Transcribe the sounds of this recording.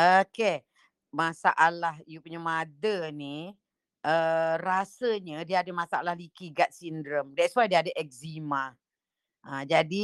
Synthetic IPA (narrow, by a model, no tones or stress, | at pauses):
oke | masaʔalahijupuɲəmãdəni | ʔərasəɲədiadəmãsaʔalahlikiɡat̪̚sindɾəmdɛtswajdiaadəʔɛk̚zimã | ʔə̃d͡ʒadi